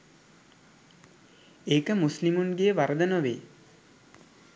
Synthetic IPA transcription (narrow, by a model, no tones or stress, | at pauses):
eːkəmuslimunɡejəʋaɾəd̪ənəʋḛː